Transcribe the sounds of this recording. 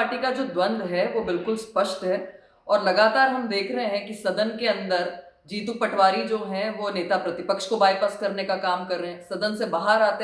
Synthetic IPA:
ʈikad͡ʒoːd̪wɐ̃nd̪ɦɛʋoːbɪlkʊlspɐʃʈɦɛː | ɔːɾlɐɡaːt̪aːɾɦɐmd̪eːkʰɾɐɦeɦɛ̃kisɐd̪ənkeɐ̃nd̪əɾ | d͡ʒiːt̪upɐʈʰʋaːɾid͡ʒoːɦɛ̃ʋoneːt̪apɾɐt̪ɪpəkʃkobaːipəskɐɾnekakaːmkɐɾːeɛ̃sɐd̪ənsebaːɦəɾaːt̪e

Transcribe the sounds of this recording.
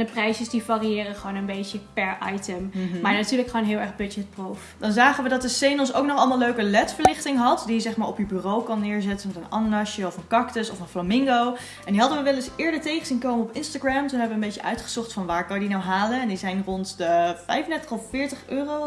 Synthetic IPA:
dəprɛjsəsdifariɪːrəχəʋownənbejcəpɛɹʔa̰jtəmmaːɹnatyːɹləkχoːnɦɪːlˠɛɹχbɵd͡ʒɛt̚profd̥ɑnzaːχənʋədɑt̚dəsejnɔs̬owknɔχɑlˠmaːlˠløɥkəlɛtfəɹlɪχtɪŋɦɑtdijəzɛχmaːɹɔpjəbyrowkʊnːɪːɹzɛtənmɛtənɑ̰nonɑʃəɔfənkɑktəsɔfənflamɪŋɡow | ɛndiɦɑdənʋəʋɛləsɪːɹdəɹtejχəzinkowməɔpɪnstaɡramtunɦɛbəʋəmbejcəʔœ̰ɥtχə̥z̥ɔχtfɑnʋaːɹkɑnjədinawɦaːlənɛndizɛjnrɔntdəfɛjfəndɛɹtəχɔffɪːɹtəχøːrow

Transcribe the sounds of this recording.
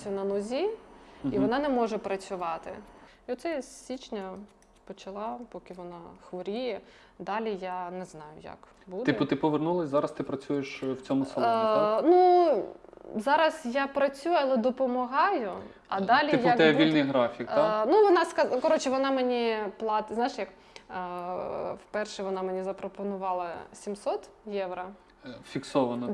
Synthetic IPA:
sʲʊnɐnɔzʲiiʋɔnɑnɛmɔʒɛpɾɐt͡sʲʊʋɑt̪ɪ̰iɔt̪sɛjsʲit͡ʃnʲɐ | pɔt͡ʃɐlˠɑpɔkɪʋɔnɑxʋɔɾʲijɛ | d̪ɑlʲijanɛznɑjʊ̰jɐ̰k | bud̪t̪ɪpɔʋernulˠɐsʲzɑɾɐst̪ɪpɾɐt͡sʲujeʃwt͡sʲɔmʊsɐlnu | zɑɾɐsjɑpɾɐt͡sʲujɐlˠɛd̪ɔpɔmɐɦɑjʊ | ɐd̪ɑlʲijaɛʋʲilʲnɪjɦɾɑfʲikt̪anuʋɔnɑskɐkɔɾɔt͡ʃɛʋɔnɑmenʲiplˠɑt̪znɑjɪʃjɐk | fpɛrʃɛʋɔnɑmenʲizɐpɾɔpɔnʊʋɑlˠɐsʲimsɔt̪ | jɛʋɾɐ | fʲiksɔʋɐnɔ

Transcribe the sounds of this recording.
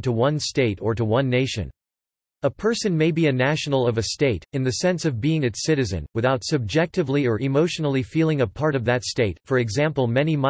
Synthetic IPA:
təwʌ̃nsteɪɾə˞ɾəwʌ̃nːeɪʃɨ̰̃n | əpʰɜ˞sɨ̃nmeɪbiɨnæʃn̩l̩ˠʌvɨsteɪɾɨ̃nðɨsɛ̃nsʌvbiɪ̃ŋɨtsɪɾɨzɨ̰̃nwɨθaʊtsɨb̚d͡ʒɛk̚tɨvliə˞ʔɨmoʊʃnl̩ˠifilˠɪ̃ŋɨpʰɑɹɾʌvðɨtsteɪtfə˞ɨɡzæ̃mpl̩ˠmɛnim

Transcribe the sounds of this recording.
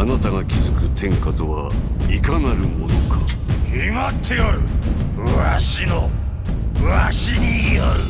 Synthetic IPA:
anat̪aɡakʲizɨkɯ̟t̪ʰẽ̞ŋkat̪oβaikanaɾɯ̟mo̞nokʰahimat̪ʰːejoɾɯ̟ | ɯaɕino | ɯaɕiɲijoɾɯ

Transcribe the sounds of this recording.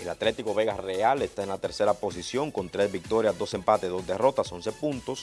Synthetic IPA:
elat̪le̞t̪iko̞βe̞ɣasreale̞st̪aenlat̪e̞ɾse̞ɾapo̞s̬isjo̞ŋko̞nt̪ɾe̞zβik̚t̪o̞ɾjazd̪ose̞mpat̪eðo̞zd̪e̞ro̞t̪aso̞nse̞punt̪o̞s

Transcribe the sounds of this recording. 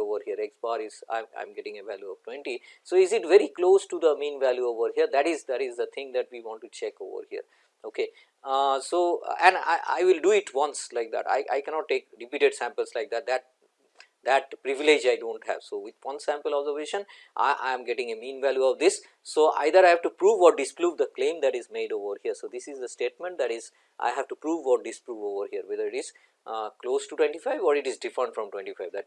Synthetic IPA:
oːʋəɾhiəɾeksbaːɾɪza̰ɪ̃mã̰ɪ̃mɡɛʈɪ̃ŋeʋæljuɔʋʈwɛ̃ɳʈisoːɪzɪʈʋeɾikloːsʈud̪əmẽːnʋæljuoːʋəɾɦiəɾd̪æʈɪzd̪æʈɪzd̪ət̪ʰɪ̃ŋd̪æʈ̚ʋiːʋɔ̃ɳʈːut͡ʃɛko̰ːʋə̰ɾhiə̰ɾ | oːke | soːɛ̃ɳa̰ɪʔa̰ɪʋɪlɖuɪʈʋʌ̃nslaɪk̚d̪æ̰ʈa̰ɪʔa̰ɪkɛ̃nɔːʈ̚ːeːkɾɪpiːʈeɖsæ̃mpəlslaɪk̚d̪æʈ̚d̪æʈ̚ | d̪æʈ̚pɾɪʋɪled͡ʒaɪɖõːɳʈhæ̰ʋsoːʋɪd̪ʋʌ̃nsæ̃mpəlɔbzəɾʋeːʃə̃n | ʔʔã̰ɪ̃mɡeʈɪ̃ŋemĩːnʋæljuɔʋd̪ɪsː | oːʔa̰ɪd̪əɾaɪɦæʋʈupɾuːʋːɔːʈ̚dɪspɾuːʋd̪əklẽːmd̪æʈɪzmeːɖoːʋəɾhiəɾsoːd̪ɪsɪzd̪əsʈeːʈ̚mə̃ɳʈ̚d̪æʈɪz | ʔa̰ɪɦæʋʈupɾuːʋːɔʈ̚ɖɪspɾuːʋoːʋəɾhiəɾʋed̪əɾɪʈɪz̥ | kloːzʈuʈwẽɳʈifaɪʋɔːɾɪʈɪzɖɪfɾə̃ɳʈfɾɔ̃mʈwẽɳnʈifaɪʋd̪æʈ

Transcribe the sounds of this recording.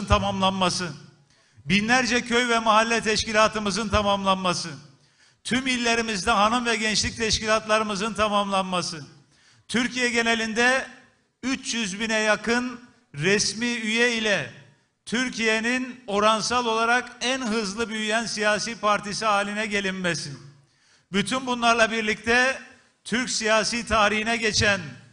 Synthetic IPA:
nt̪ʰamamlˠanmasɯ | binlʲæɾd͡ʒɛcʰøjvɛmaɦalʲːɛt̪ʰɛʃkcilʲaːt̪ʰɯmɯzɯnt̪ʰamamlˠanmasɯ | t̪ʰymilʲːe̞ɾimizd̪ɛɦanɯmvɛɟɛnt͡ʃlʲic̚t̪ʰɛʃkcilʲat̪lˠaɾɯmɯzɯnt̪ʰamamlˠanmasɯ | t̪ʰyɾcijɛɟe̞ne̞lʲind̪ɛ | yt͡ʃjyzbinɛjakʰɯn | ɾɛsmiːyjɛilʲɛ | t̪ʰyɾcʰijenino̞ɾansalˠo̞lˠaɾakænɦɯzlˠɯbyjyjænsijaːsiːpʰaɾt̪ʰisiɦaːlʲinɛɟe̞lʲimmɛsin | byt̪ʰynbunlˠaɾlˠabiɾlʲic̚t̪ʰɛ | t̪ʰyɾcsijaːsiːt̪ʰaːɾihinɛɟet͡ʃʰæn

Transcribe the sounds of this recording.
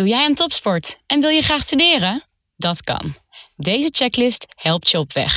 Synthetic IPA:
ujɛjəntɔpspɔɹtʔɛnʋɪlˠjəχraːχstydɪːrə | dɑtkɑ̰n | dejzət͡ʃɛklɪsthɛlˠp̚tjəɔpʋɛ̰χ

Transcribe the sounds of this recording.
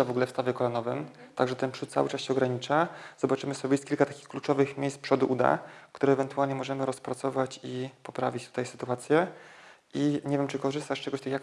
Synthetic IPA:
avɔɡulɛfst̪avʲjɛkɔlanɔvɘmt̪aɡʐɛt̪ɛnpʂut̪sa̰wɘt͡ʂasɕɛɔɡɾaɲit͡ʂaz̥ɔbat͡ʂɘmɘsɔbʲjst̪kʲilkat̪akʲixklut͡ʂɔvɘxmʲjejspʂɔd̪uʔud̪a̰kt̪uɾɛɛvɛnt̪ualɲɛmɔʐɛmɘɾɔspɾat̪sɔvat͡ɕipɔpɾa̰vʲit͡ɕt̪ut̪ajsɘ̥t̪uat̪sʲjɛ | iɲeɛvʲjɛmt͡ʂɘkɔʐɘst̪aʂt͡ʂɛɡɔɕt̪ɛkjak

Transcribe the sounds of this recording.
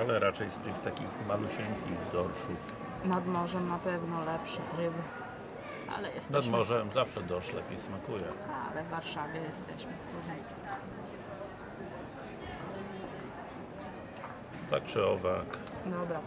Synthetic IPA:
alɛɾat͡ʂɛjst̪ɘxt̪akʲixmaluɕɛnʲkʲiɣd̪ɔɾʂuf | nad̪mɔʐɛmnapɛvnɔlɛpʂɨkɾɘb | ʔa̰lɛjɛsnad̪mɔʐɛmzafʂɛd̪ɔʂlɛpʲijsmakujɛa̰lɛvːaɾʂavʲjɛjɛst̪ɛɕmɘt̪ɾud̪ɛiaa | t̪ak̚t͡ʂɘɔvak | d̪ɔbɾa

